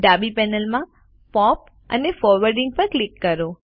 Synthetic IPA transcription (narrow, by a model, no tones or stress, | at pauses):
ɖabipɛnəlmã | pɔp | ə̰nefɔɾʋəɾɖĩŋɡ̚pəɾklikːəɾo